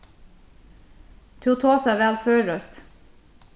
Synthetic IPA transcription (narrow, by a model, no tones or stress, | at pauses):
t̪ʰuːt̪ʰoːsɑʋælføːɹœst̪